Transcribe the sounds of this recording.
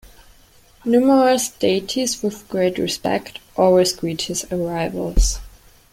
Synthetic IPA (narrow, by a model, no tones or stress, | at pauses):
numəɹəsd̥eɪtʰizwɪðɡ̥ɹeɪtɹɪ̰spɛ̰ktʰʔɔɹɪsɡ̥ɹithɪsəɹaɪvə̰lˠz̥